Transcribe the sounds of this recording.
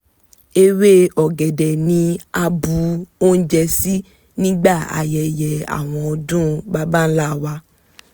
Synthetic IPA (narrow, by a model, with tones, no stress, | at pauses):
e˧we˦ɔ˨ɡɛ˨dɛ˨nĩ˧a˧bu˧o˦n̩˦d͡ʒɛ˧si˦ | nĩ˦ɡ͡ba˦˨a̰˨jɛ˨jɛ˨a̰˨w̃ɔ̃˧ɔ˧dũ˦ba˦ba˦n̩˦la˦˨wa˧